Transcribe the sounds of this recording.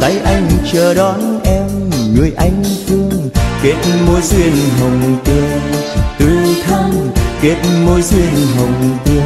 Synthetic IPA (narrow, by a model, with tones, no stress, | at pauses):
kaː˨˦jʔa˧jŋ̟t͡ɕəː˧˩ɗɔ˨˦nʔɛ˧mŋɨ˨˧˩əjʔa˧jŋ̟fɨ˧əŋke˨˦˥t̚mo˧˦jzwi˧ənɦə˨˩wŋ͡mt̪e˧t̪ɨ˧˨˩t̪ʰə˧ŋke˦˥t̚mo˧jzwi˧ənɦə˨˩wŋ͡mt̪i˧